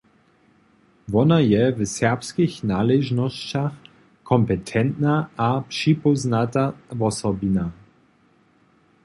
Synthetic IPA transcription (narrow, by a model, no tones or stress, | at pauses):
vɔnajɛvsɛʁpskixnaːlɛʒnɔst͡ɕax | kʰɔmpɛt̪ʰɛnt̪naʔapʂipɔznat̪avɔsɔbina